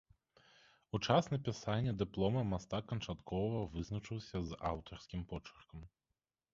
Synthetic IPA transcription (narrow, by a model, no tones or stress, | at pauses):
ut͡ʂasnɐpʲisanʲːɛd̪ɨplˠɔmɐmast̪akːɐnt͡ʂat̪kʰɔvɐvɨznɐt͡ʂɨwsʲɐza̰wt̪ɐrskʲimpɔt͡ʂɐ̥rkɐm